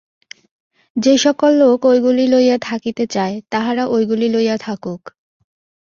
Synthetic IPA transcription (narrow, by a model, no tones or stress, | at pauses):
d͡ʑeʃɔkolːokojɡulilojat̪ʰakit̪et͡ɕaet̪aɦaɾaʔojɡulilojat̪ʰakuk